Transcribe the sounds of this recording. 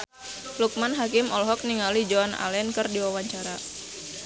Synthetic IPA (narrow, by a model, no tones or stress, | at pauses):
luk̚manɦakɪmɔlɦɔk̚niŋalid͡ʒɔana̰lɛnkərdiwawaɲt͡ʃaɾa